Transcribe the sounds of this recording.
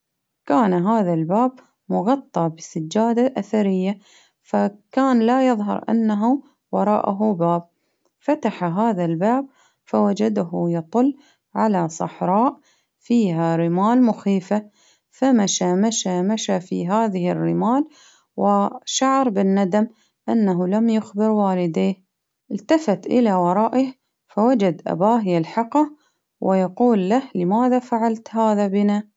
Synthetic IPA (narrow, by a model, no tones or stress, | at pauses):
kaːnɦaːðalbaːb̚ | mʊɣɑt̪ˤːɑbɪsad͡ʒːaːd̪aʔaθaɾɪjːa | fakaːnlajɨðˤɦɑ̰ɾˤʔa̰nːaɦu | wɑɾˤɑ̰ːʔaɦubaːb̚ | fat̪aħaɦaːðalbaːb̚ | fawad͡ʒad̪aɦjɑt̪ˤʊlː | ʕalasˤɑħɾˤɑːʔ | fiːɦaɾɪmaːlmʊxiːfa | famaʃamaʃamaʃafḭɦaːðɪhɪrːɪmaːl | wʔɪʃaʕɾˤbɪnːad̪am | ʔanːaɦulamjʊxbɪɾwaːlɪd̪eːh | ʔɪlt̪afat̪ʔɪlawɑɾˤɑːʔɪh | fawad͡ʒad̪ʔa̰baːɦɪjalħɑqɑ | wʔɪjɑquːlːahlɪmaːðafaʕalt̪haːðabɪna